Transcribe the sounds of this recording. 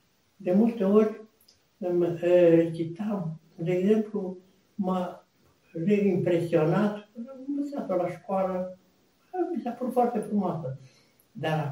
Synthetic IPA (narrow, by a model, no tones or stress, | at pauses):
d̪e̞mult̪e̞o̞rʲ | m | kit̪aw | d̪e̞ːɡze̞mplu | ma | reimpɾe̞sio̞nat̪amməsat̪olaʃkoalə | misapɾut̪foart̪e̞fɾumoasə | d̪a